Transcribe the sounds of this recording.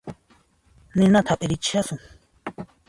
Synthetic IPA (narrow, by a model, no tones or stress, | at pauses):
nĩnãt̪ʰapʼiɾit͡ʃiasũ